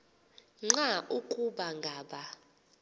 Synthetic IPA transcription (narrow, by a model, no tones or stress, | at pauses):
ŋ͡ǁaʔukʼuɓaŋɡʱaːɓa